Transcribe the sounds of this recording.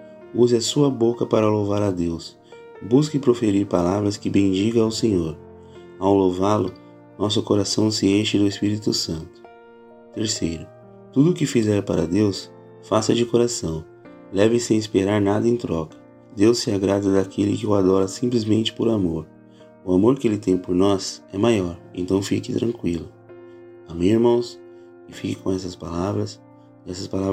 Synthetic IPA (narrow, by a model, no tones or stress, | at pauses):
uzɪɐsuɐbokɐpaɾɐlowvaɾɐd̪ews | buskɪpɾofeɾiɾpalavɾɐskɪbẽj̃d͡ʒiɡɐawsẽɲoɾ | awlowvalʊ | nɔs̬ʊkoɾasɐ̃w̃sɪeʃɪd̪ʊespiɾit̪ʊsɐ̃nt̪ʊ̥ | t̪eɾsejɾʊ | t̪ud̪ʊːkɪfizɛɾpaɾɐd̪ews | fasɐd͡ʒɪkoɾasɐ̃w̃ | lɛvɪsẽj̃ispeɾaɾnad̪ɐẽt̪ɾɔkɐ̥ | d̪ewsːɪaɡɾad̪ɐd̪akʰelɪkɪʊad̪ɔɾɐsĩmplɪzmẽnt͡ʃɪ̥poɾamoɾ | ʊamoɾkɪelɪt̪ẽj̃poɾnɔzɛmajɔɾẽnt̪ɐ̃w̃fikɪt̪ɾɐ̃ŋkwilʊ | amĩeɾmɐ̃w̃s | kɪfikɪkõɛsɐspalavɾɐs | ɛsɐspalav